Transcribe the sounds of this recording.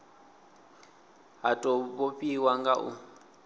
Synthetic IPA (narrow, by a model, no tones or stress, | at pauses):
ɦatʼɔbopʼiwaŋɡaʔu